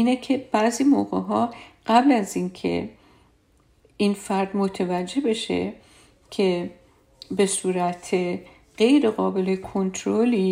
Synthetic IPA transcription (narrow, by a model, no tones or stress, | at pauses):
iːnecʰeb̥æziːmoːɣeɦɒːɢ̥æblæziːnkʰḛ | infæɾd̪mot̪ʰevæd͡ʒːe̞be̞ʃḛ | cʰe̞ | be̞suːɾæt̪ʰe | ɢ̥e̞jɾe̞ɣɒːbe̞lekʰont̪ʰɾoliː